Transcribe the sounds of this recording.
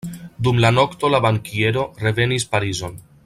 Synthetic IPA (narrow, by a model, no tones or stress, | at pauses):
d̪umlano̞kt̪o̞labaŋkie̞ɾo̞re̞ve̞nispaɾizo̞n